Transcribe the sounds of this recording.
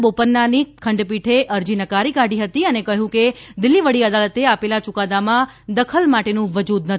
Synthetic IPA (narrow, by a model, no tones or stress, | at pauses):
bopənːanikʰəɳɖpiʈʰeʔəɾd͡ʒinəkaɾikaɖiɦət̪iənekəɦjũked̪ɪlːiʋəɽiəd̪alət̪eapelat͡ʃʊkad̪amãd̪əkʰəlmaʈenũʋəd͡ʒud̪nə